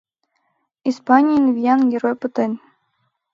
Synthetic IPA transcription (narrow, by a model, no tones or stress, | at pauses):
ispɑnʲijnvʲijɑnɡeɾojpɤt̪ɤ̆nʲ